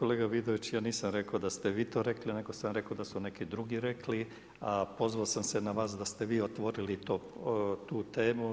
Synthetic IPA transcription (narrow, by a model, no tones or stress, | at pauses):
koleːɡaʋid̪oʋit͡ɕjaːniːsamɾekod̪ast̪eʋiːt̪o̞ːɾe̞kline̞ɡo̞samɾe̞kod̪asunekid̪ɾuɡiɾekli | apo̞zʋaosamsenaʋaːs̬d̪ast̪eʋiːot̪ʋo̞ɾilit̪oːt̪uːt̪e̞ːmu